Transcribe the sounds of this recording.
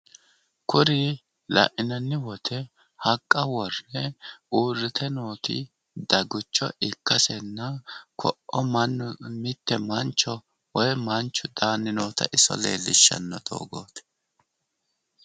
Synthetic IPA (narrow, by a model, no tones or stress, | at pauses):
kʊɾi | lɐ̰ʔɪnɐnːɪwɔt̪ʰɛ | hɐkʼːɐwɔrːɛuːrːɪt̪ʰɛnoːt̪ɪ̰ | d̪ɐɡʊt͡ʃːɔ̰ɪkːɐsɛnːɐkʰɔʔɔmɐnːʊmɪt̪ːɛmɐnt͡ʃːɔ | wɔjmɐnt͡ʃːʊd̪aːnːɪnoːt̪ɐ̰ʔɪsɔ̰le̞̰ːlːɪʃːɐ̰nːɐd̪o̰ːɡoːt̪